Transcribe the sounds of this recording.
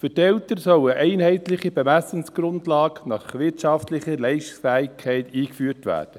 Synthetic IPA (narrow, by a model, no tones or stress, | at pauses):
fʏɾtɛltəɾsœwəʔɛɪnɦɛɪtlɪχib̥emæsənsɡ̥ɾʊndlɑːɡnɑχʋɪɾtʃɑftlɪχəlɛɪʃtsfæːɪkʰːɛɪtiːkfyːrtʋæ̰ːrd̥ə